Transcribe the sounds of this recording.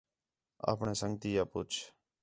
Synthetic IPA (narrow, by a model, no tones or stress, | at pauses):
a̰ːpɳeːsəŋɡt̪iːjaːpʊt͡ʃʰ